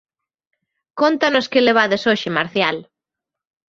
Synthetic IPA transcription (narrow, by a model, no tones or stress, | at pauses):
kont̪anoskeleβ̞aðesoʃɪmaɾθjal